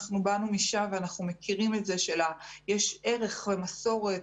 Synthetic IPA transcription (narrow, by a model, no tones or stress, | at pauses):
χnubanumiʃamveanaχnume̞kʰiʁime̞tze̞ʃelajeʃe̞ʁe̞χve̞maso̞ʁe̞t